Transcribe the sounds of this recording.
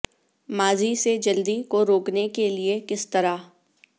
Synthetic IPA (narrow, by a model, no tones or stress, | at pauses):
maːzised͡ʒɐld̪ikoɾoːknekeliekɪst̪ɐɾa